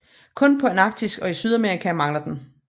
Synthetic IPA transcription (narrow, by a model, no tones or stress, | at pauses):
kʰɔ̽npʰɒ̽enɑ̈ɡ̥̚d̥isɡ̥ɒ̽isyð̞ˠæmeʁikʰæmɑ̈ŋlɐd̥en